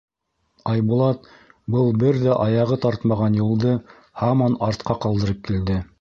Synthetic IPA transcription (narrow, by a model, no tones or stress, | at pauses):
ɑjbulˠɑt̪ | bɤlˠbɘɾðæʔɑjɑʁɤt̪ɑɾt̪mɑʁɑnjulˠd̪ɤ | hɑmɑnɑɾt̪̚qɑqɑlˠd̪ɤ̆ɾɤp̚kild̪ɘ